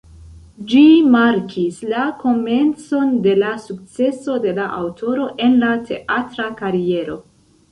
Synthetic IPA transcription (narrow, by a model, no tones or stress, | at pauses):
d͡ʒimaɾkʰislako̞me̞nt͡so̞nde̞lasuk̚t͡se̞so̞de̞laʔawtʰo̞ɾo̞ʔe̞nlatʰe̞̰ʔatɾakaɾie̞ɾo̞